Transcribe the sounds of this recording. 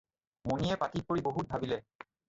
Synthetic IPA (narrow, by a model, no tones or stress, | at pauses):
monijɛpatit̚poɹiboɦut̚bʱabilɛ